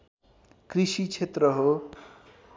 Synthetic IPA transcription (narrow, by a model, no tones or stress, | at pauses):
krisit͡sʰet̪rʌɦo